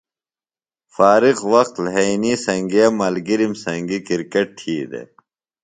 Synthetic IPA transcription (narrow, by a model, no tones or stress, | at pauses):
faːɾiqwɐxt̪lɦɐiniːsɐŋɡeɐmɐlɡiɾimsɐŋɡikiɾkeʈ̚t̪ʰiːd̪ḛ